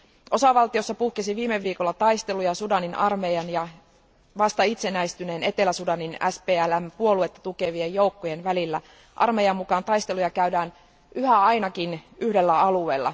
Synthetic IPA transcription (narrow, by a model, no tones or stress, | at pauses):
ʔo̞sɑʋɑlt̪io̞sːɑpuhkesiʋiːmeʋːiːko̞lːɑt̪ɑjst̪e̞lujɑsudɑninʔɑrmejɑnjɑ | ʋɑst̪ɑit̪se̞næist̪yne̞ːne̞t̪e̞læsudɑninæ̰speːælæmpuo̞lue̞t̪ːɑ̥t̪uke̞ʋiejjo̞ukːojenʋælilːæ | ʔɑ̰rmejɑmːukɑːnt̪ɑjst̪e̞lujɑkæydæːn | ʔyhæɑjnɑkinyhde̞lːæɑlue̞ːlːɑ̰